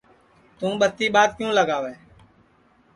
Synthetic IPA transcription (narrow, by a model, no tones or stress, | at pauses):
t̪ũːɓət̪ːiːɓaːd̪̚kjũːləɡaːʋɛː